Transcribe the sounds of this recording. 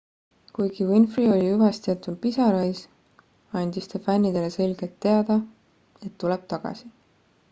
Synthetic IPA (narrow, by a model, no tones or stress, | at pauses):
kujɡ̥iwinfrio̞lʲiyvɑst̪iɑt̪ːˑud̪̚pisɑɾɑjs | ɑnʲd̪̥ist̪ɑfænʲːid̪e̞le̞se̞lɡ̥e̞t̪ːe̞ɑd̪̥ɑ | e̞t̪ːule̞b̥̚t̪ɑɡ̥ɑ̰si